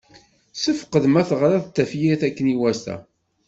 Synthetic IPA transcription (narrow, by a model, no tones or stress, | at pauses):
səfə̥qəðmæθəʁɾæðt̪ːæfjiθækːəniwæst̪æ̰